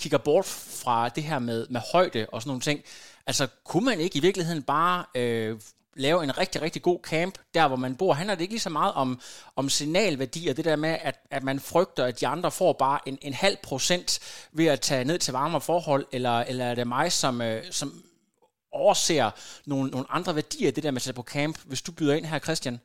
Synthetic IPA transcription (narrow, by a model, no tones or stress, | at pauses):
kʰiɡ̥ɐb̥ɒːd̥fʁɑ̈d̥e̝ɦæɐ̰með̞ˠmehɒ̽ɪ̰d̥əʔɒsɒnːo̝ːn̩t͡sʰe̝ŋ̰ʔælsɒkʰumæne̝ɡ̥iʋiɐɡ̥lihe̝ð̰ˠn̩b̥ɑ̈ːø | lɛːʊe̝nʁɛɡ̥̚d̥iʁɛɡ̥̚d̥iɡ̥o̝̰ːkʰæmb̥d̥æɐʋɒmænb̥o̝ɐ̰ɦænlɐde̝e̝ɡ̥liːsɒ̽mɑ̈ːð̞̩ˠɒ̽mɒ̽msinɛ̰ːlʋæɐd̥ḭːɒd̥e̝d̥æɐ̰meʔæd̥æ̥mænfʁœɡ̥̚d̥ɐæd̥iɑ̈nd̥ʁɐfɒ̰ːb̥ɑ̈ːʔe̝ne̝nhæl̰pʰʁo̝sen̰d̥ʋe̝æt͡sʰɛ̰ːne̝ð̰ˠt͡sʰe̝lʋɑ̈ːmɐfɒːhɒ̽l̰elɐelɐæɐɾ̥e̝mɑ̈ɪsɒ̽møsɒ̽m | ɒʊɐsḛːɐno̝ːn̩nːo̝ːn̩ʔɑ̈nd̥ʁɐʋæɐd̥ḭːɐd̥e̝d̥æɐmesed̥pʰɒ̽kʰæmb̥ʋe̝sd̥ub̥yðˠɐe̝n̰ɦæɐkʰʁɛsd̥jæn